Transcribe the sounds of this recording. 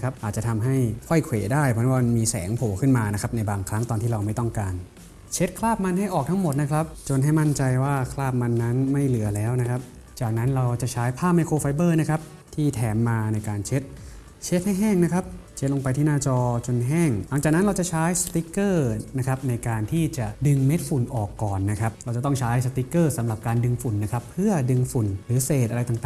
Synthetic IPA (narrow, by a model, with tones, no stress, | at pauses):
kʰa˦˥p̚ʔaː˨˩t̪̚t͡ɕa˨˩t̪ʰa˧mɦa˥˩jkʰɔ˥˩jkʰweː˨˩daː˥˩jpʰɔ˧˦˥waː˧m˧miː˧sɛ̰ː˩˦ŋpʰoː˨˩kʰɯ˥˩nmaː˧na˦˥kʰa˦˥p̚na˧jbaː˧ŋkʰɾa˦˥ŋt̪ɔː˧t̪ʰiː˥˩ɾa˧wma˥˩jt̪ɔ˥˩ŋkaː˧n | t͡ɕʰe˦˥t̪̚kʰlaː˥˩p̚ma˧nɦa˥˩jʔɔː˨˩k̚t̪ʰa˦˥ŋmo˨˩t̪̚na˦˥kʰɾa˦˥p̚t͡ɕo˧nɦa˥˩jma˥˩nt͡ɕa˧jwaː˥˩kʰlaː˥˩p̚ma˧nːa˦˥nma˥˩jlɯ˨˩˦ɐlɛː˦˥wna˦˥kʰa˦˥p̚ | t͡ɕaː˨˩k̚na˦˥nɾa˧wt͡ɕa˨˩ʔt͡ɕʰaː˦˥jpʰaː˥˩m̚a˧jkʰoː˧fa˧jbɤː˥˩na˦˥kʰa˦˥p̚ | t̪ʰiː˥˩t̪ʰɛː˩˦mːaː˧na˧jkaː˧nt͡ɕʰe˦˥t̪̚ | t͡ɕʰe˦˥t̪̚ha˥˩jɦɛː˥˩ŋna˦˥kʰɾa˦˥p̚t͡ɕʰe˦˥t̪̚lo˧ŋp̬a˧jt̪ʰiː˥˩naː˥˩t͡ɕɔː˧t͡ɕo˧nɦɛː˥˩ŋla˨˦ŋt͡ɕaː˨˩k̚na˦˥nɾa˧wt͡ɕa˨˩t͡ɕʰaː˦˥jsa˧t̪i˦˥kːɤː˥˩na˦˥kʰa˦˥p̚na˧jkaː˧nt̪ʰiː˥˩t͡ɕa˨˩dɯ˧ŋme˦˥t̪̚fu˨˩nʔɔː˨˩kːɔː˨˩nːa˦˥kʰa˦˥p̚ɾa˧wt͡ɕa˨˩t̪ɔ˥ŋt͡ɕʰaː˦˥jsa˧t̪i˦˥kːɤː˥˩sa˩˦mɾa˨˩p̚kaː˧ndɯ˧ŋfu˨˩nːa˦˥kʰa˦˥pʰːɯ˥˩ɐdɯ˧ŋfu˨˩nɾɯː˩˦seː˨˩t̪̚ʔa˧ɾa˧jt̪a˨˩ŋt̪aː˩